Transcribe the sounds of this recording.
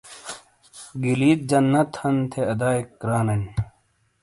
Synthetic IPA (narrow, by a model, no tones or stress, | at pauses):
ɡiliːt̪̚d͡ʑɐnːɐt̪hɐnt̪ʰeɐd̪aːikːɾaːnɐn